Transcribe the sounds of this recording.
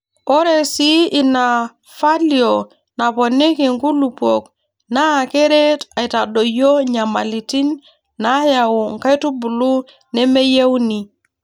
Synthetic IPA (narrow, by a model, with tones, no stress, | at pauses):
o˦ɾe˨si˦i˨na˨ | fa˦li˨o˨ | na˨po˨ni˦ki˨ŋku˦lu˨po˨k | na˦˨ke˦ɾe˦ta˨i˨ta˨do˨jo˦ɲa˨ma˨li˨ti˦nː | a˦ja˨wu˨ŋ˨ka˦jtu˦bu˨lu˦ | ne˦me˦je˦wni˨